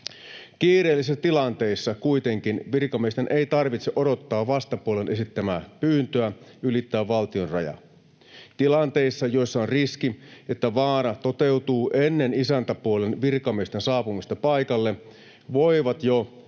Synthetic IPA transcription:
kiːɾeːlːisesːt̪ilɑnt̪e̞isːɑkuit̪e̞ŋkinʋirkɑmiest̪enʔe̞jt̪ɑrʋit̪seʔodo̞t̪ːɑːʋʋɑst̪ɑpuole̞nʔe̞sit̪ːæmæːpyːnt̪øæʔylit̪ːæːʋʋɑlt̪io̞nrɑ̰jɑ̰ | t̪ilɑnt̪e̞isːɑjo̞isːɑonriskie̞t̪ːæʋɑːɾɑt̪o̞t̪e̞wt̪uːʔe̞nːe̞nisænt̪æpuole̞nʋirkɑmiest̪ensɑːpumist̪ɑpɑjkɑlːe | ʋo̞iʋɑt̪jo

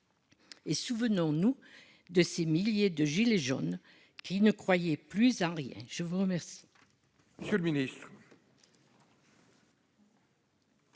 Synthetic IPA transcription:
esuvənɔ̃nu | d̪əsemiljed̪əʒileʒɔ̰n | kʰinəkχwajɛplyzɑ̃ʁjɛ̰̃ʒ̥əvuʁəmɛʁsi̥ | məjələminist̪χ

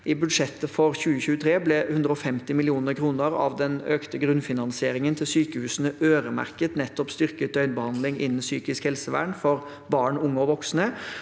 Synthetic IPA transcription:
ʔɪbʉd̪ʂɛt̪ːəfɔɾçʉːəçʉːət̪ʰɾeːblɛhʉnd̪ɾəɔfɛmt̪ɪmɪlɪuːnəɾkʰɾuːnəɾɑ̰ʋd̪ɛnøːkt̪əɡɾʉnfɪnɑnsɪeːɾɪŋənt̪ʰɪlsyːkəhʉːsənəʔøːɾəmæ̰ɾkət̪nɛt̪ːɔpst̪ʏɾkət̪̚œʏnbəhɑnd̪lɪŋɪ̰nːn̩syːkɪskhɛlsəʋæ̰ːɳfɔɾ | bɑːɳʊŋːəɔʋɔksnə

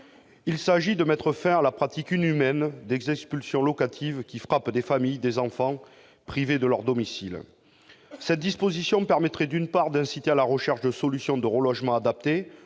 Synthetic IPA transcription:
ilsaʒid̪əmɛt̪χəfɛ̃alapχat̪ikynymɛnd̪ɛɡzɛkspylsjɔ̃lɔkat̪ʰivkʲifχapd̪efamijd̪ezɑ̃fɑ̃ | pχived̪əlœʁd̪ɔmisil | sɛt̪̚d̪ispozisjɔ̃pɛʁmɛt̪χɛd̪ynpaʁd̪ɛ̃sit̪ealaʁəʃɛʁʃd̪əsɔlysjɔ̃d̪əʁəlɔʒmɑ̃ad̪ap̚t̪e

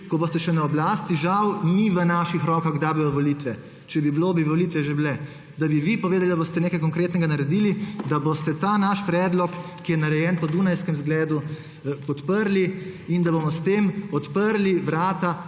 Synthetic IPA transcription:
kɔboːst̪ɛʃɛnaɔblaːst̪iʒawniʋənaʃixɾɔːkaɣɡd̪abijɔʋɔlit̪ʋɛ | t͡ʃɛbibloːbiʋɔlit̪ʋɛʒebilɛ | d̪abiʋipɔʋeːd̪alid̪aboːst̪ɛneːkajkɔŋkɾeːt̪nɛɡanaɾɛd̪ilid̪abost̪ɛt̪aːnaʃpɾɛːd̪lɔkː | ijɛnaɾɛjɛːnpɔd̪unajskɛmzɡlɛːd̪u | pɔt̪pəɾliind̪abomɔst̪eːmɔt̪pəɾliʋɾaːt̪a

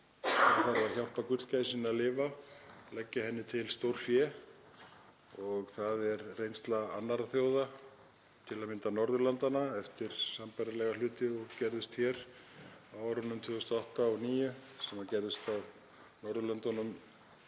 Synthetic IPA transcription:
θaɾvaðçal̥pakʏr̥t̪cajsɪnaðlɪːvalɛcːaɦɛnːɪt̪ʰɪlst̪owɾ̥fjɛ | ɔɣθaðɛɾrejnst̪laa̰nːaɾaθjowða | t̪ʰɪlaðmɪnt̪anɔɾðʏlant̪anaɛft̪ɪɾ̥sampajɾalɛɣalʏːt̪ɪɔɣcɛɾðʏst̪çɛɾawawɾʏnːʏmt̪ʰʏːɣʏst̪ɔɔht̪aɔɣniːjʏsɛmaðcɛɾðʏst̪aw | nɔɾðʏlant̪ɔnʏm

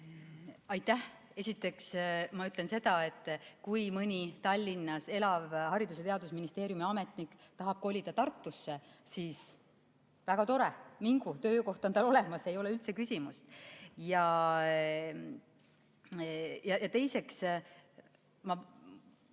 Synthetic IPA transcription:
ɑjt̪ːˑæh | e̞sʲit̪ːˑe̞ksmɑyt̪ːˑle̞nse̞d̪̥ɑe̞t̪ˑːkujmɯnʲit̪ɑlʲːinːɑse̞lɑvhɑɾid̪uset̪eɑd̪̥usminist̪e̞ːɾjumiɑme̞t̪ˑnikːˑt̪ɑɦɑb̥̚ko̞lʲːid̪̥ɑt̪ɑrt̪ːusːe̞sis | væɡ̥ɑt̪o̞ɾemiŋɡ̥ut̪ø̞ːko̞ht̪ot̪ɑlo̞le̞mɑse̞jo̞le̞ylt̪se̞kysʲimust̪jɑ | jɑjɑt̪e̞jse̞ks | mɑ

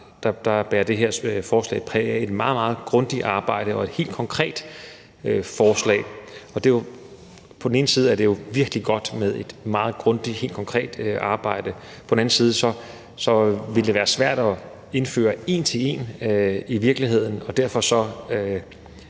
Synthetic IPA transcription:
d̥ɑd̥ɑ̈b̥æːɐd̥e̝ɦeɐ̰fɒːslɛ̰ːɪpʰʁɛːe̝d̥mɑ̈ːð̞̩ˠmɑ̈ːð̞̩ˠɡ̥ʁɔ̽nd̥iɑ̈ːb̥ɑ̈ɪ̰ɾ̥əɒ̽e̝d̥he̝̰ːld̥̚kʰɒ̽ŋkʰʁɛ̰ːd̥ | fɒːslɛ̰ːɪɒ̽d̥e̝jo | pʰɒden̩e̝ːn̩siːðˠæɐd̥e̝jo̝ʋiɐɡ̥liɡ̥ɒ̽d̥með̞ˠe̝d̥mɑ̈ːð̞̩ˠɡ̥ʁɔ̽nd̥ie̝̰ːld̥kʰɒ̽ŋkʰʁɛ̰ːd̥ʔɑ̈ːb̥ɑ̈ɪ̰d̥ə | pʰɒ̽d̥n̩æn̩siːð̞ˠəsɒ̽ | sɒ̽ʋe̝ləd̥e̝ʋæːɐsʋæɐ̰d̥ɒ̽ | e̝nfø̰ːɐe̝̰nt͡sʰe̝le̝̰ːniʋiɐɡ̥liɦe̝ð̞̰ˠn̩ɒ̽d̥æɐ̰fɒ̽sɒ̽ø

